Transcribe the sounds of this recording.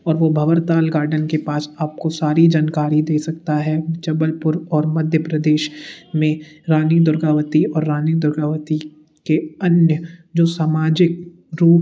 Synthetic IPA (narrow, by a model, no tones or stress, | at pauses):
ɔːɾʋobʱɐʋəɾt̪aːlɡaːɾɖənkepaːsaːp̚kosaːɾid͡ʒaːnkaːɾid̪eːsɐkt̪aɦɛt͡ʃɐbəlpʊɾɔːɾmɐd̪ʱjəpɾɐd̪eːʃmẽɾaːnid̪ʊɾɡaːʋət̪iɔːɾːaːnid̪ʊɾɡaːʋət̪i | keɐnjəd͡ʒoːsaːmaːd͡ʒɪk̚ | ɾuːp